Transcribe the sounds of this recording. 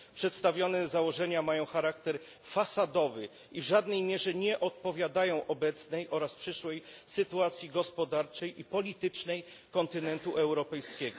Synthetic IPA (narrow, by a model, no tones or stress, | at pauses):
pʂɛt̪st̪avʲjɔnɛzawɔʐɛɲamajɔ̃w̃xaɾakt̪ɛɾ | fasad̪ɔvɘ | ivʐad̪nɛjmʲjɛʐɛɲɛʔɔt̪̚pɔvʲjad̪ajɔ̃w̃ʔɔbɛt̪snɛjʔɔɾaspʂɘʂwɛjsɘt̪uat̪sʲjiɡɔspɔd̪aɾt͡ʂɛjʔipɔlʲit̪ɘt͡ʂnɛj | kɔnt̪ɘnɛnt̪uʔɛwɾɔpɛjskʲɛɡɔ